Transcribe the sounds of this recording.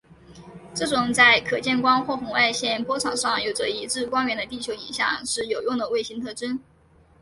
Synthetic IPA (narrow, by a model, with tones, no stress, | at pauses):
ʈ͡ʂɤ˥˩ʈ͡ʂʊ˨˩ŋt͡sa˥˩ɪkʰɤ˨˩t͡ɕjɛ˥˩nkwɑ˥ŋxwɔ˥˩xʊ˧˥ŋa˥˧ɪɕjɛ˥˩npwɔ˥ʈ͡ʂʰɑ˨˩ŋʂɑ˥˩ŋjo˨˩ʊʈ͡ʂə̰˦i˧˥ʈ͡ʂɻ̩˥˧kwɑ˥nɥɛ˧˥nd̪ə˧t̪i˥˩t͡ɕʰjo˧˥ʊḭ˧˥ŋɕjɑ̰˨˩ŋʂɻ̩˥˩jo˨˩ʊjʊ˥˩ŋd̪ə˩we˥˩ɪɕi˧˥nt̪ʰɤ˥˩ʈ͡ʂə˥n